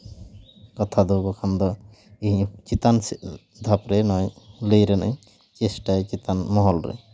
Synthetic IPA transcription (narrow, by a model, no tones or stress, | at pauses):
kɔt̪ʰad̪ɔbɔkʰand̪ɔ | iɦit͡ʃit̪ans | d̪ʱapɾenɔjlejɾena̰j | t͡ʃesʈajt͡ʃit̪anmɔɦɔlɾḛ